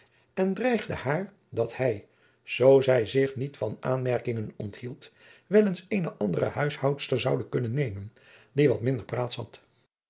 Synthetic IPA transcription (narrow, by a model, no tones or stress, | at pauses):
ɛndrɛjχdə̰haːɹ | dɑthɛj | z̥owzɛjzɪχnitfɑna̰ːnmɛɹkɪŋənɔ̰nthilˠt | ʋɛlənsejnəʔɑndərə̰hœɥshɑwtstəɹzɑwdəkɵnənːejmən | diʋɑtmɪndəɹpraːtshɑ̰t